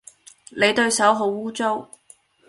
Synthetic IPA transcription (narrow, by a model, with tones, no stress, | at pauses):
ne˨˧jt̪ɵ˧ɥsɐ˨˥wɦo˨˧˥wːuː˥t͡so˥w